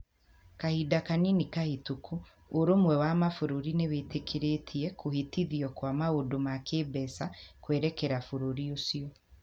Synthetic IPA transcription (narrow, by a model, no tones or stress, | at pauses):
kahidakaninikahitukʰu | oɾomwɛwamafoɾoɾinewetekʰeɾetʰiɛkohetiðiɔkwamaodomakeːbɛsakwɛɾɛkɛɾafoɾoɾiosiɔ